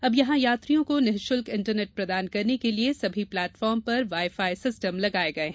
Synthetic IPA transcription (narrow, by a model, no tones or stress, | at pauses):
ɐbjɐɦãjaːt̪ɾijõkonɛɦʃʊlkɪ̃ɳʈəɾneːʈ̚pɾɐd̪aːnkɐɾnekeliesɐbʱiplɛːʈfɔːɾmpɐɾʋaːɪfaːisɪsʈəmlɐɡaːeɡɐeɦɛ̃